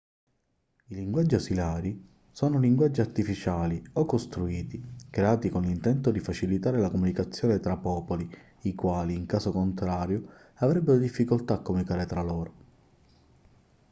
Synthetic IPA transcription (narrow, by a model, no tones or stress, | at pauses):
iliŋɡwad͡ʒːiasilaːɾi | soːnoliŋɡwad͡ʒːiart̪ifit͡ʃaːliokːost̪ɾuiːt̪ikɾeaːt̪ikonlint̪ɛnt̪od̪ifat͡ʃilit̪aːɾelakomunikat̪sːjɔːnet̪ɾapːɔːpoli | ikwaːliːŋkaːsokont̪ɾaːɾjo | avɾɛbːeɾod̪ifːikolt̪aːkːomunikaːɾet̪ɾalɔːɾo